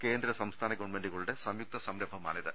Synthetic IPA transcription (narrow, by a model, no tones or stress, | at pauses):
keːnd̪ɾɐsɐmst̪ʰaːnɐɡɐʋnmeɳɖiɣɐɭuɽe̞sɐmjuk̚t̪ɐsɐmɾɐbʱɐma̰ːnid̪ɨ